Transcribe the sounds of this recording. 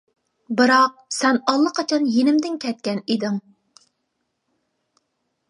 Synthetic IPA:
bɨɾɑq̚sɛnɑlˠːəqʰɑt͡ʃʰɑnjenɪmd̪ɪnkʲʰɛt̪̚kʲɛnid̪ɪŋ

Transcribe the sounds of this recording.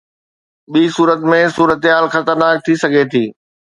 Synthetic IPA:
ɓiːsuːɾət̪mẽsuːɾət̪ɦaːlxɐt̪əɾnaːk̚t̪ʰisɐɡʱet̪ʰiː

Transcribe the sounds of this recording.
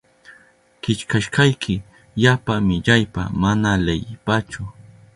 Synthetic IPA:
kɪt͡ʃkaʃɢɑjkʰɪ | ʎapamɪʎajpa̰manalejɪpat͡ʃʊ

